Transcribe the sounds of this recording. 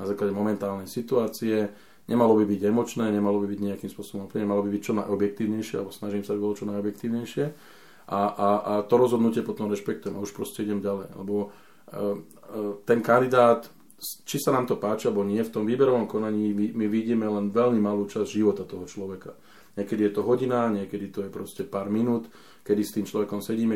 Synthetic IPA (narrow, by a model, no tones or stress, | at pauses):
nazaːklaɟɛmɔmɛnt̪aːlnɛjsit̪uaːt͡siɛ | ɲʔɛmalɔbibiɟɛmɔt͡ʃnɛːɲɛmalɔbibiɟɲɛakiːmspʊɔsɔbɔmɔpɲɛɛmalɔbibict͡ʃɔnajɔbjɛk̚t̪iːʊɲɛjʃɪɛa̰lɛbɔsnaʒiːmsaabibɔlɔt͡ʃɔnajɔbjɛk̚t̪iːʊɲɛjʃɪɛ | ʔaʔat̪ɔɾɔzɦɔd̪nucɪɛpɔt̪ɔmɾɛʃpɛk̚t̪ujɛmauʃpɾɔscɛiɟɛmɟalɛj̰lɛ̰bɔ | t̪ɛnkand̪id̪aːt̪ | t͡ʃisanaːmt̪ɔpaːt͡ʃialɛbɔɲɪɛft̪ɔmʋiːbɛɾɔʋɔmkɔnaɲiːimiʋiɟimɛlɛnʋɛlmimaluːt͡ʃazʒiʋɔt̪at̪ɔɦɔt͡ʃlɔʋɛka̰ | ɲɪɛkɛd̪ijɛt̪ɔɦɔɟinaɲɪɛkɛd̪it̪ɔjɛpɾɔscɛpaːɾminuːt̪ | kɛd̪ist̪iːmt͡ʃlɔʋɛkɔmsɛɟiːmɛ